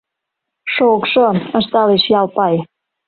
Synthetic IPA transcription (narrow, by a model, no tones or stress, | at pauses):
ʃokʃoə̆ʃt̪ɑleʃjɑlpɑj